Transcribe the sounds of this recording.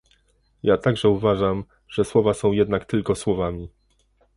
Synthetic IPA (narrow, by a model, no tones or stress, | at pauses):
jat̪aɡʐɛuvaʐam | ʐ̥ɛswɔvasɔ̃w̃jɛd̪nakt̪ɘlkɔswɔvamʲi